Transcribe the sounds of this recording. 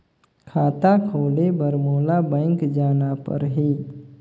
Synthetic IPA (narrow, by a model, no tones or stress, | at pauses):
kʰaːt̪akʰoːlebəɾmoːlabə̃ɪŋkd͡ʒaːnapə̰ɾɦi